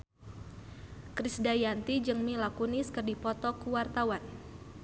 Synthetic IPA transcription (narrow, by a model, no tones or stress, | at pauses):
kɾisdajant̪id͡ʒɨŋmilakuniskərdipɔt̪ɔkuwart̪awan